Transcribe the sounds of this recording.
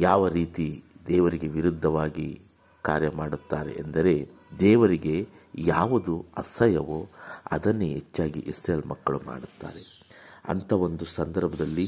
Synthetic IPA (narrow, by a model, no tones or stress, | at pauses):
jaːʋɐɾiːt̪id̪ɛːʋɐɾiɡe̞ʋiɾud̪ʱːɐʋaːɡi | ka̰ːɾjɐmaːɽut̪ːaːɾe̞̰ʔːnd̪ɐɾe̞ | d̪ɛːʋɐɾiɡe̞ | jaːʋud̪uɐ̰sɐjɐʋoɐ̰d̪ɐnːuɦet͡ʃːaːɡḭʔisɾeːlmɐkːɐɭuma̰ːɽut̪ːa̰ːɾe̞ | ɐ̰nt̪ʰɐo̞nd̪usɐnd̪ɐɾbʱɐd̪ɐlːi